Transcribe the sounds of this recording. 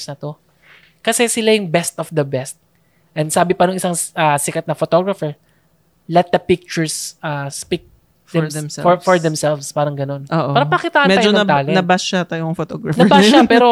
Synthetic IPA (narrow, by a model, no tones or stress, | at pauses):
snɐt̪o̞ | kɐsɛsɪlajʊŋbɛst̪ʔɔfd̪ɐbɛst̪̚ | ʔɛnd̪saːbɪpɐnʊŋʔɪsaŋʔɐːsɪkɐt̪̚nɐfot̪oɡɾɐfɛɹ | lɛt̪̚d̪ɐpɪk̚t͡ʃʊɹsʔaspik̚ | d̪ɛfɔɹd̪ɛmsɛlvspaːɾɐŋɡɐno̞nʔoːʔaːɾɐpɐnɐkɪt̪aːʔɐmɛajd͡ʒoɐt̪aːlɛnɐbɐsʃat̪ajoŋfot̪oɡɹɐfnɐbaʃapɛːɾo̞